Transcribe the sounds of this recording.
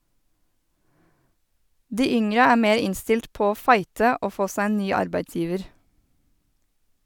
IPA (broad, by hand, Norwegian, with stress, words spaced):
ˈdiː ˈʏŋɾə ˈæː ˈmeːɾ ˈɪnstɪlt ˈpoː ˈoː ˈfɑɪtə ˈoː ˈfoː ˈsæ ˈeːn ˈnyː ˈɑɾbæɪtˌsjiːʋəɾ